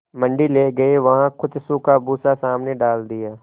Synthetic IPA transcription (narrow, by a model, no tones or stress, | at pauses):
mɐ̃ɳɖileɡɐeʋɐɦãkʰʊt̪sũkabuːsasaːmneɖaːld̪ijaː